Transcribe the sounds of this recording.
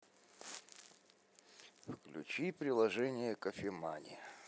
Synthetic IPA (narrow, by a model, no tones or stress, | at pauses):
fklʲʉ̰t͡ɕipɾʲɪlˠɐʐɛnʲɪjəkəfʲɪmanʲɪ̰